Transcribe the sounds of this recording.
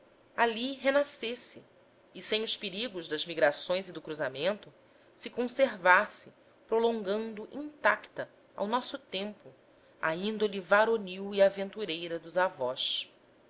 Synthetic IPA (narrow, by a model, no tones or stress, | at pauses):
aliɦenasesɪː | sẽj̃ʊʃpeɾiɡʊʒd̪ɐzmiɡɾasõj̃zɪd̪ʊkɾuzamẽnt̪ʊ | sɪkõseɾvasɪ | pɾolõŋɡɐ̃nd̪ʊʔĩnt̪akt̪ɐ | a̰wnɔsʊt̪ẽmpʊ | a̰ĩnd̪olivaɾoniwiavẽnt̪uɾejɾɐd̪ʊzavɔʃ